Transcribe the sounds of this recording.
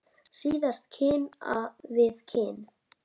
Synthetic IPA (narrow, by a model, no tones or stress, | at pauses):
siːðast̪cʰɪːna̰vɪðcʰɪːn